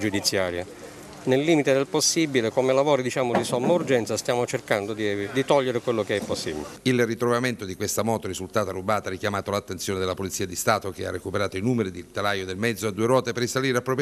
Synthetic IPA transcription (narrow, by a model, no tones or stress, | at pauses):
d͡ʒud̪it̪sːjaːɾja | nelːiːmit̪ed̪elposːibilekomelavɔːɾid̪it͡ʃaːmod̪isɔmːaurd͡ʒɛnt̪sast̪jaːmot͡ʃerkand̪od̪id̪it̪ɔʎːeɾekwelːokeɛpːosːibḭleilrit̪ɾovament̪od̪ikwest̪amɔːt̪oɾizult̪aːt̪arːubaːt̪aarikjamaːt̪olat̪ːensjoːned̪elːapolit̪siːad̪ist̪aːt̪okea̰rːekupeɾaːt̪oinuːmeɾid̪ilt̪alajod̪elmɛd̪zoad̪ːuːeɾwɔːt̪eperːisaliːɾeapːɾɔːpj